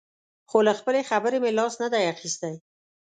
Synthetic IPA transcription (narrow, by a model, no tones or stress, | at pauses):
xoləxpəlexabəɾemelɑsnəd̪ajaxist̪aj